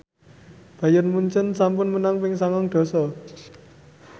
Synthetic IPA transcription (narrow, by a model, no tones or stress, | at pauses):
b̥a̤jʊrnmuɲt͡ʃənsampʊnmənaŋpɪŋsaŋɔŋɖ̪̥ɔ̤sɔ